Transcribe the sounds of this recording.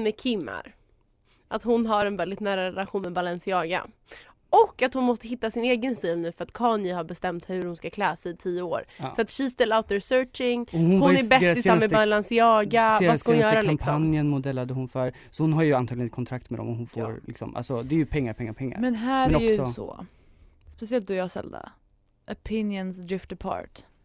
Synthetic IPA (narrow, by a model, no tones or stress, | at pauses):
mɛkʰɪmːa̰ɾ | ʔat̪hʊnɦaɾɛnvɛld̪ɪt̪næːɾaɾɛlaɧuːnmɛbalɛnsɪɑːɡa̰ | ɔkːat̪hʊnmɔst̪əɦɪt̪ːasɪneːɡənst̪iːlnʉ̟ːfœɾat̪kʰɑːnjɪhaɾbɛst̪ɛmt̪hɵɾhʊnskakʰlɛːsɛɪt̪ʰijəo̰ːɾsɔat̪ɕiːst̪əlaʊt̪ɛsœːt͡ʃɪŋɔhʊnhʊnɛbɛst̪ːɪsanmːəbalansjɑːɡavskahʊnjœːɾaklaɪmpʰɔanjənmʊd̪ɛlːad̪əhʊnfœɾ | sɔhʊnɦaɾjɵant̪ʰɑːɡ̪lɪnɪkʰɔnt̪ʰɾak̚t̪mɛd̪ɔ̰mɔhʊnfo̰ːɾlɪ̰ksɔ̰mʔa̰lsɔd̪ɛːɾjɵpʰɛŋːaɾpʰɛŋːaɾpʰɛŋːa̰ɾmɛnɦæːɛnɔjksɔsɔ̰ | spɛsɪɛlt̪̚d̪ɵjɑːsɛ̰ld̪a̰ | ʔɔpʰɪnjənsd̪ɾɪft̪əpʰɑ̰ːɾʈ